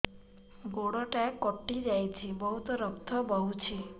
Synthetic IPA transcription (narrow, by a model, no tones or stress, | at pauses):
ɡoɽɔʈakːɔʈːid͡ʒajt͡ʃʰibɔɦut̪ɔɾɔk̚t̪ʰɔbɔɦut͡ʃʰi